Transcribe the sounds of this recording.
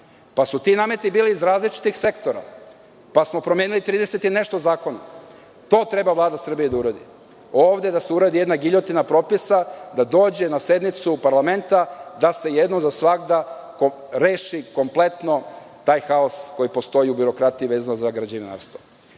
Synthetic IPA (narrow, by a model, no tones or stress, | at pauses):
pasut̪inaːme̞t̪ibiːliːzɾaːzlit͡ʃi̥t̪ixse̞kt̪oɾa̰ | pasmo̞pɾomjeːnilit̪ɾiːd̪eset̪ine̞ʃt̪ozaːko̞na | t̪o̞ːt̪ɾe̞bavlˠaːd̪asr̩bijed̪auɾad̪ḭ | oːʋd̪e̞d̪aseuɾad̪ije̞d̪naɡiʎo̞t̪inapɾo̞pisad̪ad̪o̞ːd͡ʑe̞nase̞d̪nit̪supaɾlame̞nt̪ad̪ase̞jed̪nomzasʋaɡd̪a | ko | ɾe̞ːʃiko̞mple̞t̪no̞ | t̪aːjxao̞sko̞jipost̪o̞jiubiɾo̞kɾat̪iiʋeːzanozaɡɾad͡ʑiʋina̰ɾst̪o